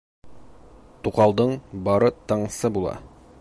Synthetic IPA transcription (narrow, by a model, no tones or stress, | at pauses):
t̪uqɑlˠd̪ɤɴbɒɾɤt̪ɤ̆ɴsɤbulˠɑ̰